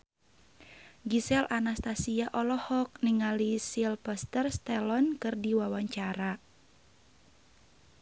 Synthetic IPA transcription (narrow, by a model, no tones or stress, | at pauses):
ɡisɛlʔanast̪asiaʔɔlɔhɔk̚niŋalisilpəst̪ərst̪ɛlɔnkɨrdiwawaɲt͡ʃaɾa